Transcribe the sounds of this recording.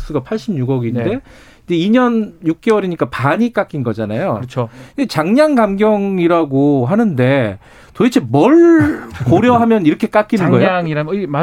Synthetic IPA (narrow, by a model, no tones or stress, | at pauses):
s͈ɯɡapʰaɭɕ͈ibɲuɡʌɡinde̞ | id͡ʑe̞iɲʌnjuk̚k͈ewʌɾiɲik͈apaɲik͈ak͈inɡʌd͡ʑana̰jot͡ɕʰoind͡ʑet͡ɕaŋɲaŋɡamɡjʌŋiɾaɡoɦanɯnde̞ | toit͡ɕʰemʌɭkoɾjʌɦamjʌniɾʌkʰe̞k͈ak͈inɯnɡʌeoŋiɾama